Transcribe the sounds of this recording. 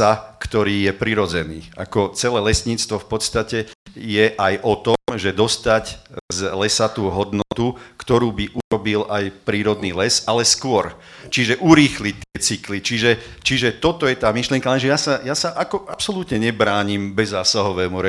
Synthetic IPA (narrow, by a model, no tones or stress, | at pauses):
akt̪ɔɾiːjɛpɾiɾɔd͡zɛniːa̰kɔt͡sɛlɛːlɛsɲiːt͡st̪ʋɔfpɔt̪st̪acɛjɛʔajʔɔt̪ɔmʒɛd̪ɔst̪aczlɛsat̪uːɦɔd̪nɔt̪ukt̪ɔɾuːbiʔuɾɔbilʔajpɾiːɾɔd̪niːlɛsalɛskʊɔɾt͡ʃiʒɛʔuɾiːxlic̚t̪ːɪɛt͡siklit͡ʃiʒɛt͡ʃiʒɛt̪ɔt̪ɔjɛt̪aːmiʃliɪɛŋkalɛnʒɛjasajasaʔakɔʔapsɔlut̪ɲɛɲɛbɾaːɲimbɛzːaːsaɦɔʋɛːmuɾɛ